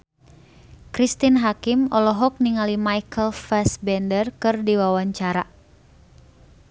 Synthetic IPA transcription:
kɾist̪inɦakimɔlɔɦɔk̚niŋalimajkʰəlfɛsbɛndərkɨrdiwawaɲt͡ʃaɾa

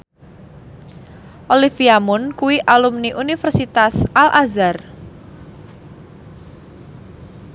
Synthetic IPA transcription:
ʔolifiamʊnkuwiʔalumniʔunifərsit̪asʔalʔazar

